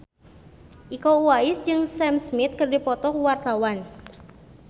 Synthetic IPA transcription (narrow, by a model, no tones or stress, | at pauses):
ʔikowaɪsd͡ʒɨŋsɛmsmit̪̚kɨrdipɔt̪ɔkuwart̪awan